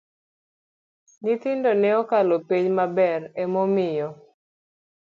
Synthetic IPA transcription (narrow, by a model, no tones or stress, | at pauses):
nit̪ɪndonɛɔkalopeɲmabɛrɛmomɪjɔ